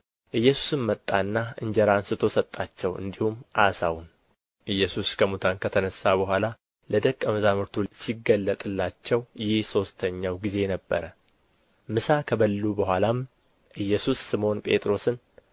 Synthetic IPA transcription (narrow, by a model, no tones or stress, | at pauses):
ʔɨjːɛsu̥sɨnmət̪ʼːanːaɨɲd͡ʒɛɾansɨt̪ʰo̞sət̪ʼːat͡ʃːɛwɨ̰nd̪ihumʔasawun | ʔɨjːɛsuskʰəmut̪ʰankʰət̪ʰənəsːabəɦʷala | ləd̪əkʼːəməzamɨɾt̪ʰusiɡəlːət̪ʼɨlːat͡ʃːɛwjɪhso̞st̪ʰəɲːawɡize̞nəbːə̰ɾə | mɨsakʰəbəlːubəhʷalam | ʔɨjːɛsusːɨmo̞npʼe̞̰t̪ʼɾo̞sɨn